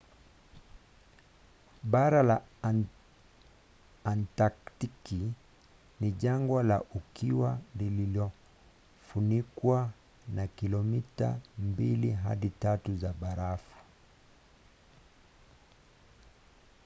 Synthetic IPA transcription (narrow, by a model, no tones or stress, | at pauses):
ɓaɾala | ntaktiki | niʄaŋɡwalaʔukiwalililɔ | funikwa | nakilɔmita̰mbiliɦa̰ɗitatuzaɓaɾafu̥